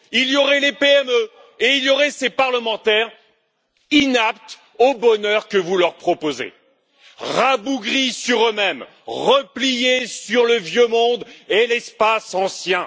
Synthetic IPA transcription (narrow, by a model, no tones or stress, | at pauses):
iljɔʁɛlepeɛmø | eiljɔʁɛsepaʁləmɑ̃t̪ɛʁ | inapt̪ | obɔnœʁkəvulœʁpχɔpozḛ | ʁabuɡʁisyʁømɛm | ʁəplijesyʁləvjømɔ̃d̪elɛspasɑ̃sjɛ̃